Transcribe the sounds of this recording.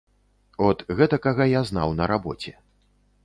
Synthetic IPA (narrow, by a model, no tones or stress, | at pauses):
ɔt̪ɣɛt̪ɐkaɣajazna̰wnɐɾabɔ̰t͡sʲɛ